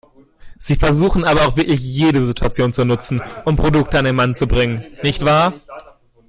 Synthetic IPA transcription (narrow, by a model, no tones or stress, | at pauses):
z̥iːfɛɐzuːxn̩aːbɐaʊxvɪɐklɪçjeːɾəzitʰuat͡sjoːnt͡sunʊt͡sn̩ʔʊmpʁ̥odʊk̚təandeːnmant͡subʁɪŋənnɪçtv̥aːɐ